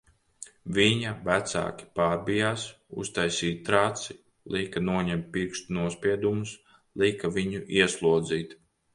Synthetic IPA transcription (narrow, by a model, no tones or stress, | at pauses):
viɲavæt̪sa̰ːkʲi̥paːɾbijaːs | ṵst̪ajsiːt̪̚t̪ɾaːt̪si | lˠikanuɔɲɛmt̪̚ʲpiɾkʃt̪unuɔspʲiɛd̪umus | lˠikaviɲuʔiɛslˠuɔd̪ziːt̪